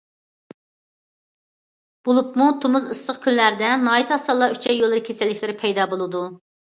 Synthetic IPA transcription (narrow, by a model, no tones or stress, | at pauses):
b̥olˠupmut̪ʰumuzɨsːəqkʲʰynlæɾd̪ɛnɑːit̪ʰɑsɑlˠːɑyt͡ʃʰɛjolˠɨɾɨkʲʰesɪlːɪkʲlɪɾɪpʰɛjd̪ɑːbolˠɨd̪u